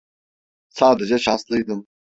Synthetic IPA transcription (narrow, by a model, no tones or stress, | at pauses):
saːd̪ed͡ʒɛʃanslˠɯjd̪ɯm